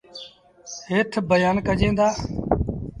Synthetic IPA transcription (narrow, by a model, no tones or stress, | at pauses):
heːt̪ʰbəjaːnkəd͡ʒẽːd̪aː